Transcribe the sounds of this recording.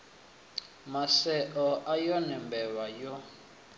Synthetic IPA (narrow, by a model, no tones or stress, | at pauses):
masɛʔɔʔajɔnɛmbɛwajɔ